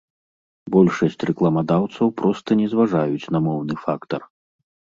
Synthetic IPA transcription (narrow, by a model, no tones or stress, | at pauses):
bɔlʲʂɐsʲt͡sʲrɛklˠɐmad̪awt̪sɐwpɾɔst̪ɐnʲɛzvaʐajut͡sʲnɐmɔwn̪ɨfakt̪ɐr